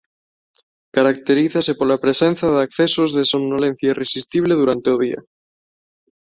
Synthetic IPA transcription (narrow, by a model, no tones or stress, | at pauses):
kaɾakt̪eɾiθasepolapɾesẽnθaðakθesozðesomnolen̟θjairesist̪iβ̞leðuɾant̪euð̞ia̰